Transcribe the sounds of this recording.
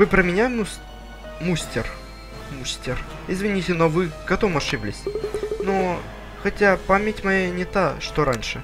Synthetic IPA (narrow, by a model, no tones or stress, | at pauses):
vɨpɾəmʲɪnʲamu | musʲtʲɪr | musʲtʲɪr | ɪzvʲɪnʲitʲɪnovɨɡɐt̪ovmɐʂɨblʲɪsʲno | xɐtʲapamʲɪtʲmɐjanʲɪt̪aʂt̪oɾanʲʂɨ